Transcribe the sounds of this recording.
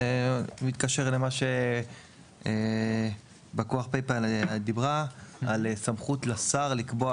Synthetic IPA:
emit̪kaʃeʁle̞maʃe | e | bakoaχpejpad̪ibʁaalsamχut̪lasaʁlikbo

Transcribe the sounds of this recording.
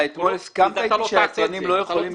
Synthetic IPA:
et̪mo̞leskamt̪aiʃeat͡sanimlo̞jeχolim

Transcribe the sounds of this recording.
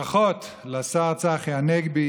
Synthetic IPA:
aχot̪ | lasaʁt͡saχjeaneɡbi

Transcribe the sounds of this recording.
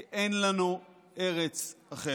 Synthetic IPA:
ʔenlanu | ʔe̞ʁet͡saχe

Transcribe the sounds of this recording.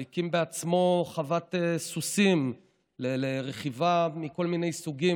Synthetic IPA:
jkimbeat͡smo̞χavat̪esusim | leleʁeχivamiko̞lmine̞jsuɡi

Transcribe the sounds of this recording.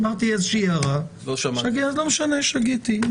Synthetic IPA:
maʁt̪iɛzeʃiːaʁaloʃaʃaɡiazlomeʃaneʃaɡit̪i

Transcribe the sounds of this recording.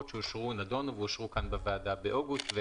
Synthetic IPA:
tʃeuʃʁunado̞nveuʃʁukanbevaːdabeʔoɡust̪ve

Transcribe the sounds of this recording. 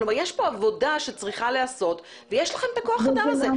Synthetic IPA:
lomaʁjeʃpo̞avo̞daʃet͡sʁiχaleaso̞t̪ | vejeʃlaχe̞mt̪akoaχad̪amaze

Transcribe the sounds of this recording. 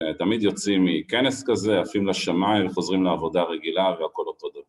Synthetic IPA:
t̪amid̪jo̞t͡simikeneskazeafimlaʃamaiɱveχo̞zʁimleavo̞daʁeɡilaveako̞lo̞to̞d̪ava

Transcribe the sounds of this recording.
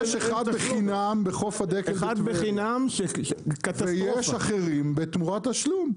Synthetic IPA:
ʃeχad̪beχinambeχofad̪ekead̪veχinamʃekatt̪aejeʃaχeʁimbet̪muʁat̪aʃlum

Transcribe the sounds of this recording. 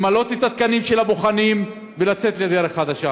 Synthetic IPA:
malo̞t̪et̪at̪̚kanimʃelabo̞χanim | velat͡se̞t̪led̪eɾeχad̪aʃa

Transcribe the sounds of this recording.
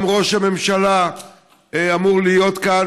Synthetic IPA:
mʁo̞ʃhame̞mʃala | eamuʁlijo̞t̪kaa

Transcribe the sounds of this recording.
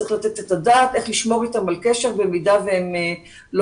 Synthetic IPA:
ʁiχlat̪e̞t̪et̪adaːte̞χliʃmo̞ʁitamalkeʃe̞ʁbe̞midaveem | lo

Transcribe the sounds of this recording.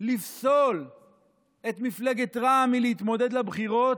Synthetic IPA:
lifso̞l | et̪mifleɡet̪ʁaːmileit̪mo̞d̪e̞d̪labχiʁo̞t

